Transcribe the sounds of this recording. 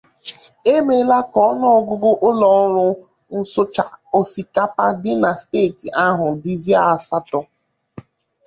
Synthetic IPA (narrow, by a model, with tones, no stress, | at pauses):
e˦me˦la˦kɔ˦nɔ˦ɔ˦˨ɡʊ˦ɡʊ˦ʔʊ˦lɔ˨˦ɾʊ˦ | n̩˦sʊ˦t͡ʃa˨o˨si˨ka˦pa˦dɪ˦na˨ste˦˨ki˨ʔa˦ɦʊ˨di˦zi˦a˦a˨sa˦tɔ˦